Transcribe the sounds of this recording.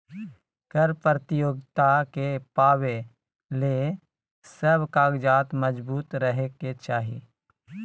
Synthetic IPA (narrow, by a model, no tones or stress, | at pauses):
kəɾpɾət̪ɪjoːɡt̪akepaːwe | le | səbkaːɡd͡ʒaːt̪məd͡ʒbuːt̪ɾəɦeket͡ʃaːɦḭ